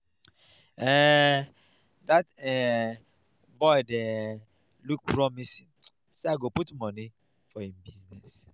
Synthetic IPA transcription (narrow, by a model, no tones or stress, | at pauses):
ɛ | datɛ | bɔɪdɛ | luk̚pɹɔmisi | seaɪɡoputmɔni | fɔhĩmbiznɛs